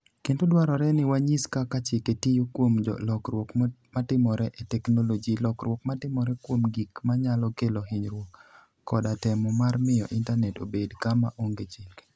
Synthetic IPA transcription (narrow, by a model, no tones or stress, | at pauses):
kentodwaɾɔɾɛnɪwaɲiskakat͡ʃɪketijokwomd͡ʒɔ̰lɔkrwokmatɪmɔɾɛʔetɛknolod͡ʒilɔkɾwɔkmatɪmɔɾɛkwomɡikmaɲalɔkeloɦɪɲɾwokː | ɔdatɛmɔmarmɪjɔʔɪntanɛtobedkamaʔoŋɡet͡ʃilɡ